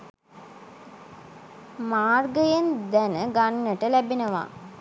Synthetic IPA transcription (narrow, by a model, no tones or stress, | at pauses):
maːrɡəjend̪ænəɡanːəʈəlæbenəʋa̰